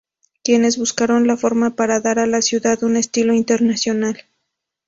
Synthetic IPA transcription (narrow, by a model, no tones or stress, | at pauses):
kje̞ne̞zβuskaɾo̞nlafo̞ɾmapaɾaðaɾalasjuðaðune̞st̪ilo̞int̪e̞ɾnasjo̞nal